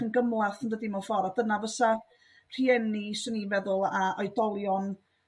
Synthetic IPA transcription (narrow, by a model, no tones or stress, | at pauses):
ənɡəmlˠaθəndədimɔfɔɾadənavəsa | r̥iɛnisɔnivɛðʊlˠaɔjdɔlˠjɔn